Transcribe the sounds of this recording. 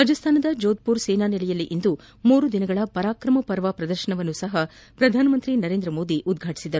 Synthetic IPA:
ɾaːd͡ʒɐst̪ʰaːnɐd̪ɐd͡ʒoːd̪̚puːɾsɛːnaːnɛlɛjɐlːiʔind̪u | muːɾud̪inɐɡɐɭɐpɐɾaːkɾɐmɐpɐɾʋɐpɾɐd̪ɐɾʃɐɳɐʋɐnːusɐɦɐpɾɐd̪ʱaːnɐmɐnt̪ɾinɐɾeːnd̪ɾɐmo̞ːd̪iʔud̪ɡʱaːʈi̥sid̪ɐɾu

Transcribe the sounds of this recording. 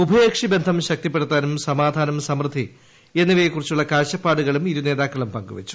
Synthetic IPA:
ubʱɐjeːkʂibe̞nd̪ʱɐmɕɐk̚t̪ip̬ːe̞ɽut̪ːaːnumsɐmaːd̪ʱaːnɐmsɐmrɨd̪ʱi | e̞nːiʋɐjekːurit͡ɕːuɭːɐkaːɕɐpːaːɽuɣɐɭumiɾune̞ːðaːkːɐɭumpɐŋɡuʋɐ̰t͡ɕːu̥

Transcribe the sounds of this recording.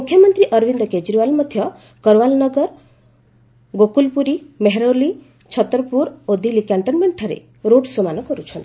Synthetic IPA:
ukʰjɔmɔnt̪ɾiʔʌɾbind̪ɔked͡ʒɾiʋalmɔd̪ʱjɔ | kɔɾwalnɔɡɔɾ | ɡokulpuɾimeɦeɾoli | t͡ʃʰɔt̪ːɾɔpuɾod̪ilikaɳʈɔnmeɳʈʰɔɾḛ | ɾoɽsomanɔkɔɾut͡ʃʰɔnt̪i̥

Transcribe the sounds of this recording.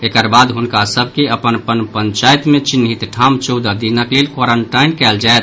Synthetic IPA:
ekəɾbad̪ɦunkasəbʱkeəpənpənpəɲt͡ʃajt̪met͡ʃinːɦit̪ʈʰamt͡ʃɔd̪ad̪inəklelkwaɾəɳʈajnkɛld͡ʒaet̪

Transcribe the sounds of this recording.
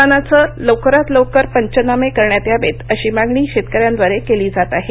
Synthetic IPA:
anat͡səlowkəɾat̪lowkəɾpəɲt͡ɕənamekəɾɳjat̪jaʋet̪əɕiːmaɡɳiːɕet̪kəɾjãnd̪ʋəɾekeliːd͡zat̪aɦe

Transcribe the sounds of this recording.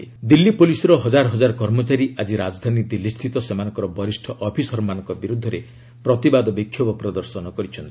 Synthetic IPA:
id̪ilːipolisɔɾɔɦɔd͡ʒaɾɔɦɔd͡ʒaɾɔkɔɾmɔt͡ʃaɾiad͡ʒiɾad͡ʒd̪ʱanid̪ilːist̪ʰit̪ɔsemanɔŋkɔɾɔbɔɾisʈʰɔʔɔpʰisɔɾɔmanɔ̃ŋkɔbiɾud̪ʱːɔɾe | pɾɔt̪ibad̪ɔbikʰjɔbɔpɾɔd̪ɔɾsɔnɔkɔɾit͡ʃʰɔnt̪i̥

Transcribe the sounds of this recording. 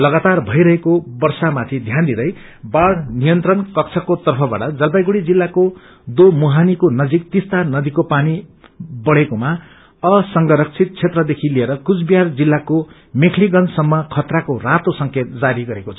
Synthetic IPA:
lʌɡat̪arbʱʌjɾʌɦekobʌrsamat̪ʰid̪ʱjand̪id̪ʌj | baɽnijʌnt̪rʌnkʌk̚t͡sʰʌkot̪ʌrpʰʌba̰ʈʌd͡zʌlpajɡuɽid͡zilːako | d̪omuɦanikonʌd͡zik̚t̪ist̪anʌd̪ikopanibʌɽekoma | ʌsʌŋɡʌɾʌk̚t͡sʰit̪̚t͡sʰet̪rʌd̪ekʰilieɾʌkut͡sbijard͡zilːako | mekʰliɡʌnsʌmːʌkʰʌt̪rakorat̪osʌŋket̪̚d͡zaɾiɡʌɾekot͡sʰʌ

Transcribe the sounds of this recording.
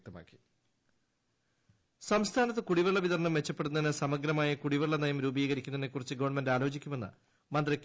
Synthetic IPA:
k̚t̪ːɐma̰ːkːi̥ | sɐmst̪ʰaːnɐt̪ːɨkuɽiʋɐɭːɐʋiðɐrɳɐmʋet͡ɕːɐpːe̞ɽunːɐðinɨsɐmɐɡɾɐmaːjɐkuɽiʋɐɭːɐnɐjɐmɾuːbiːɣɐɾikʲːunɐinekːurit͡ɕːɨɡoʋɐɳmendaːlo̞ːt͡ɕikʲːume̞nːɐ̰ | mɐnd̪rɐkʲː

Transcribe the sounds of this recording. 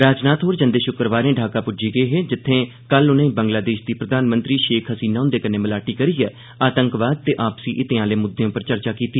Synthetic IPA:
ɾaːd͡ʒnaːt̪ɦoːɾd͡ʒənd̪eːʃʊkɾəʋaːɾẽːɖʱaːkaːpʊd͡ʒiːɡəeːɦeːd͡ʒɪt̪ʰːẽː | kəlʊnẽːbə̃ŋɡlaːd̪eːʃd̪iːpɾəd̪aːnmə̃nt̪ɾiːʃeːkʰɦəsiːnaːʊ̃nd̪eːkənẽːməlaːʈiːkəɾiːɛː | aːt̪əŋkʋaːd̪̚t̪eːʔaːpsiːʔɪt̪eãːleːmʊd̪ːejõːpəɾt͡ʃəɾt͡ʃaːkiːt̪iː

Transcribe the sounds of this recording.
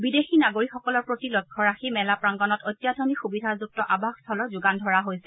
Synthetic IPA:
bidexinaɡoɹikxɔkɔlɔɹpɹotilɔkʰːɔɹaximɛlapɹaŋɡɔnɔtojtːjadʱɔnixubidʱazuk̚tɔʔabʱaxstʰɔlɔzʊɡandʱɔɹaɦojsɛ̥

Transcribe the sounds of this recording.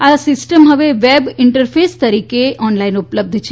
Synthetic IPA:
asɪsʈəmɦəʋeʋebɪɳʈəɾfʰest̪əɾiːkeʔɔnlainʊpləb̚d̪ʱt͡ʃʰe

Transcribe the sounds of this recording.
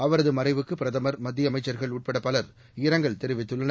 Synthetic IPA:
ɐʋɐɾɐðɯmɐɾɐɪʋɯkːɯpɪɾɐðɐmɐɾmɐd̪ːɪjɐmɐɪt͡ʃːɐɾɣɐɭuːʈ̚pɛɽɐpɐlɐɾ | ɪɾɐŋɡɐɭt̪ɛɾɪʋɪt̪ːɯɭːɐnɐ

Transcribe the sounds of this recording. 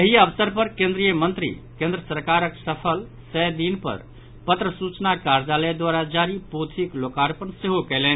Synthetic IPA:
əɦiəbsəɾpəɾkẽnd̪ɾijəmənt̪ɾḭkẽnd̪ɾəsəɾkaɾəksəpʰəl | sɛd̪inpə̰ɾ | pət̪ɾəsut͡ʃnakaɾd͡ʒaled̪waɾad͡ʒaɾipot̪ʰiklokaɾpənseɦokɛlɛn

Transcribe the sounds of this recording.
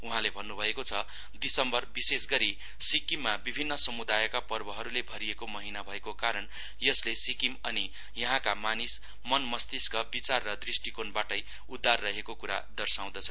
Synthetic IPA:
uɦãlebʱʌnːubʱʌekot͡sʰʌ | d̪isʌmbʌrbisesɡʌɾi | sikimːabibʱinːʌsʌmud̪ajkapʌrbʌɦʌɾulebʱʌɾijekomʌɦinabʱʌekokaɾʌn | jʌslesikimʌni | jʌɦãkamanis | mʌnmʌst̪iskʌbit͡sarːʌd̪risʈikonbaʈʌj | ud̪ʱːarːʌɦekokuɾa̰d̪ʌrsaw̃d̪ʌt͡sʰʌ

